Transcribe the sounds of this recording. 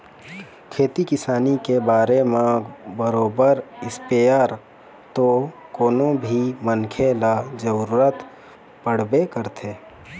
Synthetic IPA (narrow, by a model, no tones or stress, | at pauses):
kʰeːt̪ikɪsaːnikebaːɾemẽbəɾoːbəɾɪspejaɾ | t̪okoːnobʱimənkʰelad͡ʒəɾuɾuːɾət̪ | pəɽ̤bekəɾt̪ʰeː